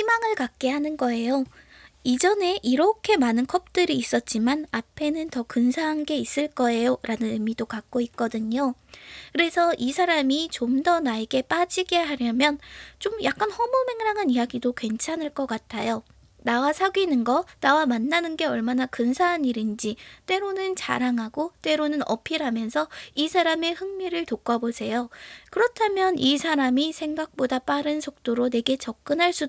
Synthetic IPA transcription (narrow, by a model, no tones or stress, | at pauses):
ɕimaŋɯɭkak̚k͈e̞ɦanɯnɡʌe̞jo | id͡ʑʌne̞ʔiɾʌkʰe̞manɯnkʰʌp̚t͈ɯɾiːs͈ʌt̚t͡ɕ͈imanapʰe̞nɯntʌkɯnsʰaɦanɡe̞is͈ɯɭk͈ʌe̞joɾʔanɯnɯmidokak̚k͈oit̚k͈ʌdɯɲokɯɾe̞sʰʌʔisʰaɾamit͡ɕomdʌnaeɡe̞p͈ad͡ʑiɡe̞ɦaɾjʌmjʌnt͡ɕomjak͈anhʌmome̞ŋɾaŋɦanijaɡidokwe̞nt͡ɕʰanɯɭk͈ʌk͈atʰajo | nawasʰaɡɥinɯnɡʌnawamanːanɯnɡe̞ʌɭmanakɯnsʰaɦaniɾind͡ʑit͈e̞ɾonɯnt͡ɕa̰ɾaŋɦaɡot͈we̞ɾonɯnʌ̰pʰiɾamjʌnsʰʌisʰaɾame̞hɯŋmiɾɯɭtok͈ʰabosʰe̞jokɯɾʌtʰamjʌnisʰaɾamisʰe̞ŋɡak̚p͈odap͈aɾɯnsʰok̚t͈oɾone̞ɡe̞t͡ɕʌk̚k͈ɯnɦaɭs͈u